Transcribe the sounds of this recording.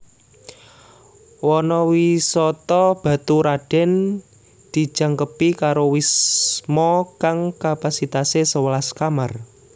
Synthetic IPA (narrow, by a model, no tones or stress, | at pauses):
wɔnɔwisɔt̪ɔb̥a̤t̪uɾaɖ̥ɛ̤n | d̪̥i̤̥ʒ̥a̤ŋkəpikaɾowismɔkaŋkapasit̪asesəwəlaskamar